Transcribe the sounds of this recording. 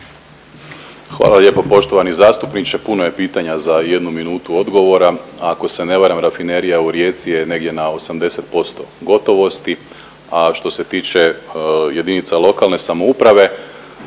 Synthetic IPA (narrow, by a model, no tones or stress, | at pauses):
xʋa̰ːlˠalʎʲjepo̞po̞ʃt̪o̞ʋanizaːst̪upnit͡ʃepunoje̞piːt̪aɲazaje̞d̪numinuːt̪uo̞d̪ɡo̞ʋo̞ɾaako̞se̞ne̞ʋaɾamɾafine̞ɾijauɾje̞ːt̪sije̞ne̞ɡdje̞nao̞samd̪e̞se̞t̪̚po̞st̪o̞̰ɡo̞t̪o̞ʋo̞st̪i | aʃt̪o̞se̞t̪iːt͡ʃe̞je̞d̪init̪salˠo̞kalne̞samo̞upɾaʋe̞